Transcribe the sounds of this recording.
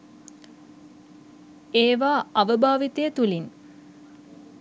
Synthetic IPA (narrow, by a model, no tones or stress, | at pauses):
eːʋaːaʋəbʱaːʋit̪ejət̪ulin